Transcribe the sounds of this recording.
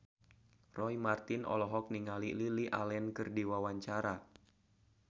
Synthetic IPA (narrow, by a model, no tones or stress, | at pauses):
rɔimart̪inɔ̰lɔɦɔk̚niŋalililiʔalɛnkɨrdiwawaɲt͡ʃaɾa